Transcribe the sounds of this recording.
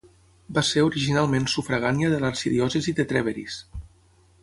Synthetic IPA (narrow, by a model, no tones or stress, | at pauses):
baseɾuɾiʒinalˠmensufɾəɣaniəðəlaɾsiðiɔsəziðət̪ɾɛβeɾḭs